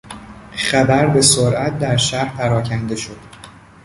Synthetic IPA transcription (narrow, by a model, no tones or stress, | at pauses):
χæbæɾbe̞soɾʔæt̪̚d̪æɾʃæɾpʰæɾɒːcʰænd̪e̞ʃo̞d̪̥